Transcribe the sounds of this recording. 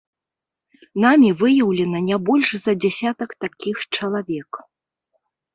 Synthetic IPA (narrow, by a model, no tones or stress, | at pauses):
namʲivɨjɐwlʲɛnɐnʲabɔlʲʂzɐd͡zʲasʲat̪ɐkt̪akʲixt͡ʂɐlˠavʲɛk